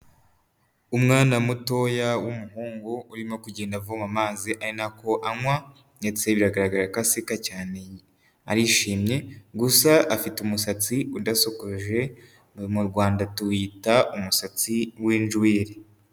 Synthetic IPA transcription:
umŋaːnamuto̞jawumuɦuːŋɡouɾimokuɟeːndavomamaːziʔaɾinako̞ʔaŋwa | net͡seβiɾaɡaɾaɡaɾakasikacaːne | aɾiʃiːmɲe̞ɡusaʔːfitumusat͡siudasokoʒe̞ | muɾɡwaːndatuwitaumusat͡siwiːnd͡ʒwiːɾe

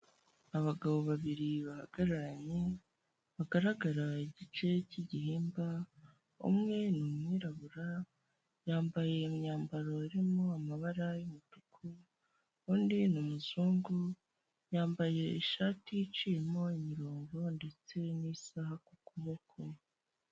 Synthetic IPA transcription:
aβaɡaβo̞βaβiɾiβahaɡaɾaɾaɲe̞ | βaɡaɾaɡaɾaiɟit͡ʃe̞ciɟiɦiːmba | ṵmŋe̞numŋiːɾaβuɾa | jaːmbaje̞imɲaːmbaɾo̞iɾimoamaβaɾajumutu̥kʰu | uːndinumuzuːŋɡu | jaːmbaje̞iʃaːtijit͡ʃijemo̞imiɾoːŋɡo̞nde̞t͡se̞nisahakukuβo̞kʰo

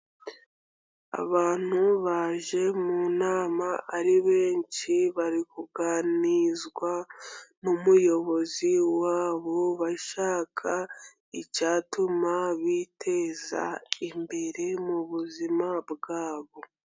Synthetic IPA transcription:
a̰βaːn̥huβaːʒe̞munaːmaʔːɾiβe̞ːnt͡ʃiβaɾikuɡaːnizɡwanumujo̞βo̞ziwaːβo̞βaʃaːkʰa | icaːtumaβitʰe̞ːza̰imbe̞ɾe̞muβuzimabɡaːβo̞

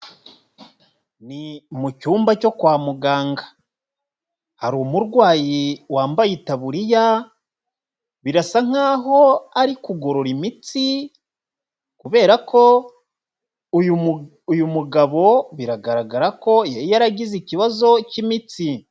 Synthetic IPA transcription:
nimucuːmbaco̞kwaːmuɡaːŋɡa | haɾumuɾɡwaːjiwaːmbajitaβuɾija | βiɾasaŋ̥aːɦo̞aɾikuɡo̞ɾo̞ɾimit͡si | kuβe̞ːɾako̞ | ju | ujumuɡaβo̞βiɾaɡaɾaɡaɾako̞jaɾijaɾaɟiziciβazo̞cimit͡si

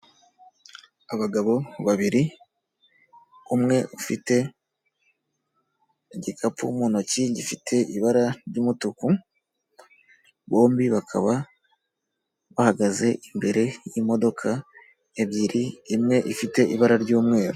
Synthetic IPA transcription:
aβaɡaβo̞βaβiɾi | umŋe̞ʔufite̞ | ɟikʰapumuːnociɟifitʰe̞ʔiβaɾaɾɟuːmutuku | βo̞ːmbiβakʰa̰βa | βahaɡaze̞ʔimbe̞ɾe̞jimo̞do̞kʰa | eβɟiɾiːmŋe̞ʔifite̞ʔiβaɾaɾɟuːmŋe̞ːɾu

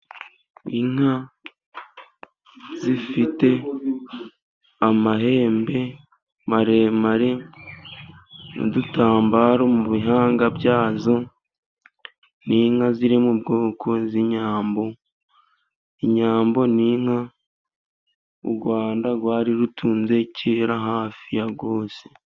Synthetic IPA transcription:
iŋ̥ha | zifite̞ | amaɦe̞ːmbe̞ | maɾe̞maɾe | no̰dutaːmbaːɾo̞muβiɦaːŋɡabjaːzo̞ | niŋ̥haziɾimubɡo̞ːkʰo̞ziɲaːmbo̞ | iɲaːmbo̞niŋ̥ha | ṵɾɡwaːndaɡwaːɾiɾutʰuːnze̞ceɾaɦaːfijaɡo̞ːse̥

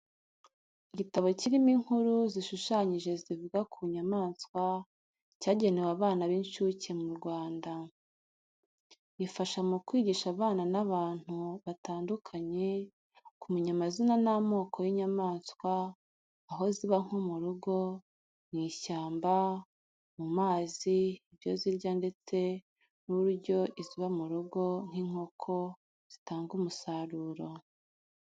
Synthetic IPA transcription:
iɟitaβo̞ciɾimiŋuɾuziʃuʃaɲiʒe̞zivuɡakuɲamaːnskwa | caːɟe̞ne̞waβaːnaβinʃucemuɾɡwaːnda | ifaʃamukwiːɟiʃaβaːnanaβaːn̥huβataːndukʰaɲe̞ | kumuɲamazinanamo̞ːkʰojiɲamaːnskwaː | ɦo̞ziβaŋ̥umuɾuɡo̞ | n̥iːʃaːmba | mumaːziiβjo̞ziɾɟande̞t͡se̞ | nuɾuɾɟo̞ʔiziβamuɾuɡo̞n̥hiŋ̥o̞kʰo̞ | z̥i̥taːŋɡumusaɾuːɾo̞

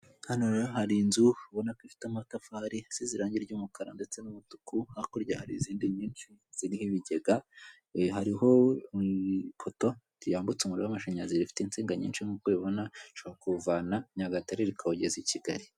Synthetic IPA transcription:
hanojoɦaɾinzuβonakifi̥tamatafaɾiz̥iziɾaːɲɟiɾɟuːmukaɾa̰nde̞t͡se̞nuβutu̥kuhakoɾɟahaɾiziːndiɲiːnt͡ʃiz̥iɾihiβiɟe̞ɡa | ɦaɾiho̞ipʰoto̞ | zijaːmbut͡sumuɾiwamaʃaɲaziɾifi̥tint͡siːŋɡaɲḭːnʃiŋukweβo̞naʃoβakuvaːnaɲaɡataɾeɾikʰaoɟeziciɡa̰ɾi

